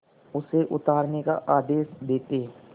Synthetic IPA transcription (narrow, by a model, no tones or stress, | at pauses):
ʊseʔʊt̪aːɾneka̰ʔaːd̪eːsd̪eːt̪eː